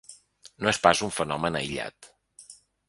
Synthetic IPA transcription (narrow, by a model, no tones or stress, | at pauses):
noespazuɱfənɔmənə̰jʎa̰t̪